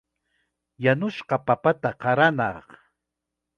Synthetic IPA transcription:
janʊʃqɑpapat̪aqɑɾanɑχ

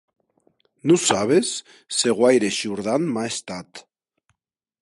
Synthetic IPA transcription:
nusaβ̞esː | eɣwajɾeʃuɾðanmaest̪at̪

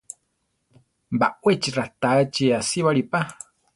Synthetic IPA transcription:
mbawet͡ʃirat̪at͡ʃiasiβaɾipa

